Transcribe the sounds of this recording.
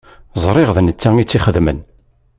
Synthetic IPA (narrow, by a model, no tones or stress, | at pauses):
zˤɾˤɪʁðnət͡sːaŋit͡sːiχəðmə̰n